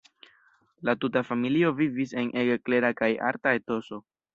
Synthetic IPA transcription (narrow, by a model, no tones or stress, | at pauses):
latutafamilio̞vivis̬e̞nʔe̞ɡekle̞ɾakaja̰ɾtae̞to̞so̞